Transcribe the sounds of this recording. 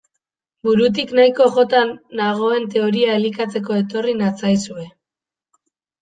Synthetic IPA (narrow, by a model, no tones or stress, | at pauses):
buɾut̪̬iknajko̞ʝo̞t̪anːaɣ̞o̞e̞nt̪e̞o̞ɾiaelikat͡se̞ko̞e̞t̪o̞rinat͡sajsue̞